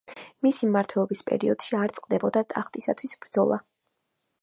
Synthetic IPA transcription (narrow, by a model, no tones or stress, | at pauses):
misimmaɾt̪ʰwɛlˠɔbispʼɛ̰ɾiɔd̪̥ʃiaɾt̪sʼqʼd̪ɛbɔd̪at̪ʼaχt̪ʼisat̪ʰwisbɾd̪zɔlˠa̰